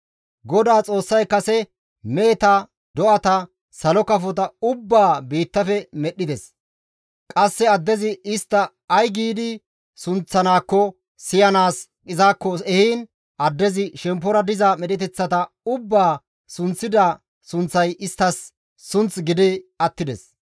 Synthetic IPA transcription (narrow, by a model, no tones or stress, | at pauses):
ɡɔd̪aːt͡sʼo̞ːsːɐjkɐsɛ | me̞ːt̪ɐ | d̪ɔʔɐt̪ɐ | sɐlɔkɐfɔt̪ɐʊbːaːbiːt̪ːɐfɛmɛɗːɪd̪ɛs | kʼɐsːɛɐd̪ːɛzɪɪst̪ːɐ | ɐjɡiːd̪ɪ | sʊnt͡sːɐnaːkːɔ | sɪjɐnaːskʼɪzaːkːɔɛhiːn | ɐd̪ːɛzɪʃɛmp̬ːɔɾɐd̪ɪzamɛɗɛt̪ɛt͡sːɐt̪ɐ | ʊbːaː | sʊnt͡sːɪd̪a | sʊnt͡sːɐjɪst̪ːɐsː | ʊnt͡sɡɪd̪ɪɐt̪ːɪd̪ɛ̰s